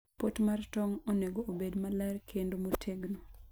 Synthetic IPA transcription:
potmartɔŋoneɡoʔobedmalarkʰendomotʰeɡno

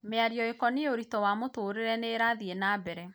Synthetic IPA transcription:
meaɾjɔekɔneoɾitɔwamotoːɾeɾɛneɾaðienabɛɾɛ

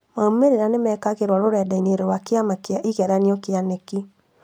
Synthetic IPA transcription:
maomeɾeɾanemɛkakeɾwaɾoɾɛdaineɾowakeamakeaʔikɛɾaniɔkeaneki

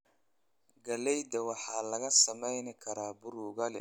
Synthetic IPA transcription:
ɡɐlɛjd̪ɐwɑħɑːlɐɣɐsɐmɛjnɪkʰɐɾaːbʊɾʊɣɐlɛ̰

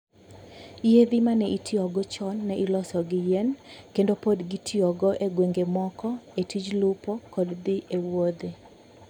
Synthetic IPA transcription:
jed̪ɪmanɛʔitʰiɔɡɔt͡ʃɔnːɛʔilɔsɔɡɪjenkendopodɡitʰiɔɡɔʔeɡweŋɡemɔkɔetid͡ʒlʊpɔkɔdd̪ɪʔewod̪e

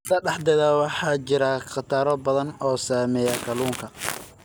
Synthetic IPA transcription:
sɐɖɑħd̪ɛðawɑħɑːt͡ʃɪɾɐqɑt̪ʰaːɾɔbɐðɐnɔːsaːmɛːjɐkʰɐluːŋkʰɐ

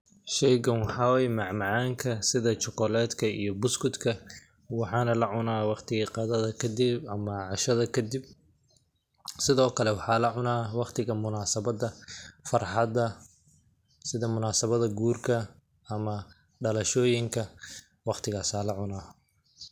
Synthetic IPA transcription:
ʃɛjɡɐnwɑħɑːwɛjmɑʕmɑʕaːŋkʰɐsɪðɐt͡ʃɔqɔlɛːd̪kʰɐḭjɞbʊskʊd̪kʰɐ | wɑħɑːnɐlɐʕʊnaːwɑqt̪ʰɪɣiqɑðɐðɐkʰɐd̪ɪbɐmɐʕɑʃɐðɐkʰɐd̪ib̚ | sɪðɔːkʰɐlɛwɑħɑːlɐʕʊnaːwɑqt̪ʰɪɣɐmʊnaːsɐβɐd̪ɐfɑrħɑd̪ɐ | sɪðɐmʊnaːsɐβɐðɐɡuːrkʰɐ | ɐmɐ | ɖɐlɐʃɔːjɪŋkʰɐ | wɑqt̪ʰɪɣaːsaːlɐʕʊnaː

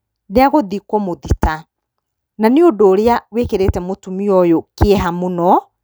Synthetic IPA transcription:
neaɣoðikɔmoðita | naneodoːɾeawekeɾetɛmotumiɔjokeɛɦamonɔ

